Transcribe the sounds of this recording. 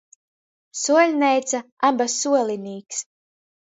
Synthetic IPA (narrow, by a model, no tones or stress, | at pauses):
suɔlʲnɛjt̪sa | abasuɔlʲiniːks